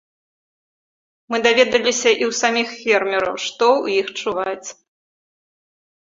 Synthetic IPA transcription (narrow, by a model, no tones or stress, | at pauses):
mɨd̪avʲɛd̪ɐlʲisʲɐʔiwsamʲixfʲɛrmʲɛɾɐ̰wʂt̪ɔujixt͡ʂuvat͡sʲ